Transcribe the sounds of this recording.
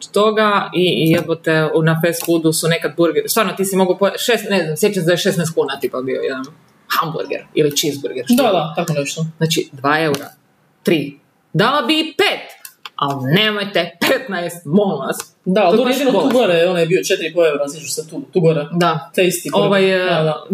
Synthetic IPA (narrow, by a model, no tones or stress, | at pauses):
t̪o̞ɡaijepot̪eunafeskud̪usunekad̪̚buɾɡeɾsʋaːɾnot̪iːsimoɡopojʃesneznamsjet͡ʃansd̪ajeʃesnɛjst̪kuːnat̪ipabiojɛd̪an | hambṵɾɡḛɾilit͡ʃizbuɾɡeɾd̪ad̪at̪akoneʃt̪oznat͡ʃid̪ʋaːeuɾa̰ | t̪ɾiː | d̪alabipeːt̪alnemojt̪epet̪najest̪̚mollas | d̪aloɾeinotouɡoɾejonajebiot͡ʃet̪iɾipoeuɾazit͡ʃuset̪ut̪uɡoɾed̪at̪eist̪ioʋajad̪a